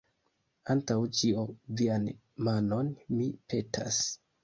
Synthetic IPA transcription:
antawt͡ʃiovian | mano̞nmipʰe̞tʰa̰s

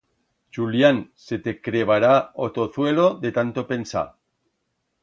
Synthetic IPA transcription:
t͡ʃuljanse̞t̪ekɾeβ̞aɾaot̪o̞θwe̞lo̞ðe̞t̪ant̪opensa̰

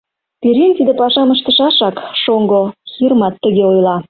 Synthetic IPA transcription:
piɾʲint̪id̪epɑʃɑməʃt̪əʃɑʃɑkʃoŋɡoxirmɑt̪ːəɣeojlɑ

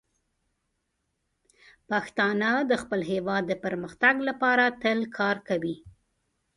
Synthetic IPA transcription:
paxt̪ɑnad̪əxpəlɦewɑd̪ːəpəɾməxt̪aɡlapɑɾat̪əlkʰɑɾkawi

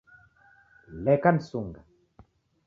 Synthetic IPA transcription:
lɛkansuŋɡa

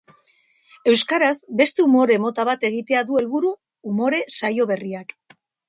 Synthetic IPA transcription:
e̞wskaɾazbe̞st̪e̞umo̞ɾe̞mo̞t̪aβ̞at̪e̞ɣ̞it̪e̞aðue̞lβuɾuː | mo̞ɾe̞sajo̞β̞e̞riak

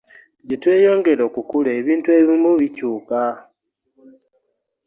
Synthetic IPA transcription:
ɟitwe̞ːjo̞ːŋɡe̞ɾo̞kukuleːβiːntue̞βimuβicuːka

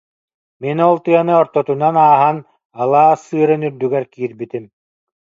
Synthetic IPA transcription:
minɔlˠt̪ɯjɐnɯɔɾt̪ɔt̪unanaːɦan | alˠaːsːɯːɾɯnyɾd̪yɡɛɾkiːɾbit̪im

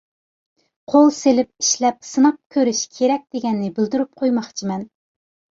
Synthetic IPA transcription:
qʰolˠselɪp̚iʃlɛp̚sɨnɑq̚kʲʰøɾyʃkʲʰeɾɛk̚ʲd̪̥eɡʲɛnːɪbɪld̪yɾyp̚qʰojmɑχt͡ʃʰimɛn

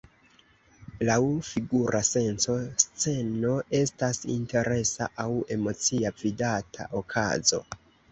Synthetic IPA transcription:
lawfiɡuɾʔase̞nso̞st͡se̞no̞e̞stasḭnte̞ɾe̞sa̰ʔawe̞mo̞t͡siavidatʰa̰ʔokʰa̰zo̞̰

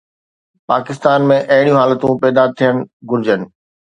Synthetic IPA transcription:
paːkɪst̪aːnmẽʔɐɦɪɽijũɦaːlət̪ũpɛːd̪at̪ʰːijənɪ̆ɡʊɾd͡ʑənɪ̆

